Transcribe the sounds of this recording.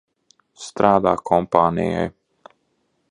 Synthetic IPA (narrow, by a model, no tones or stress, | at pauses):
st̪ɾaːd̪aːkʰɔmpaːnḭja̰j